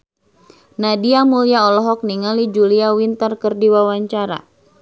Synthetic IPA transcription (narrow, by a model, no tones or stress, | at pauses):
nadiamuliaɔlɔɦɔk̚niŋalid͡ʒuliawint̪ərkərdiwawaɲt͡ʃaɾa̰